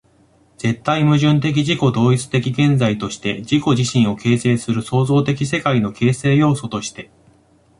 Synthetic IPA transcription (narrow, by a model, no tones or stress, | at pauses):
d͡z̥e̞t̪ːaimɯ̟ʑɨ̃nt̪e̞k̬ʲiʑiko̞d̪o̞ːit͡sɨ̥t̪e̞kʲiɡẽ̞nd͡zait̪o̞ɕi̥t̪e̞d͡ʑiko̞ʑiɕĩɰ̃o̞ke̞ːse̞ːsɨɾɯ̟so̞ːzo̞ːt̪e̞kʲis̬e̞kaino̞ke̞ːse̞ːjo̞ːso̞t̪o̞ɕi̥t̪e̞